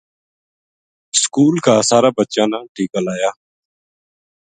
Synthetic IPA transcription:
skuːlkaːsaːɾaːbətːt͡ʃãːnãːʈʰiːkəlaːjaː

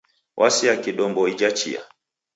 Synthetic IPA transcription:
wʔasiakiɗɔmbɔid͡ʒat͡ʃḭa̰

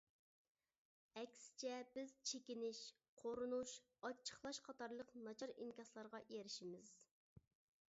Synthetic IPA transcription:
ɛkʲsɪ̥t͡ʃʰɛbɪz̥t͡ʃʰekʲinɪʃ | qʰoɾunuʃ | ɑt͡ʃʰːə̥χlˠɑʃqʰɑt̪ɑɾlˠəqnɑt͡ʃʰɑɾiŋkʲɑslˠɑɾʁɑjeɾɪʃimɪz̥

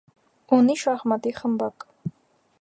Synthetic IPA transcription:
uniʃaχmɐt̪iχəmbakʼ

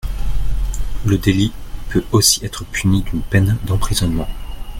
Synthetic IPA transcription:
ləd̪elipʰøosi̥ɛt̪χəpʰynid̪ynpɛnd̪ɑ̃pχizɔnmɑ̃

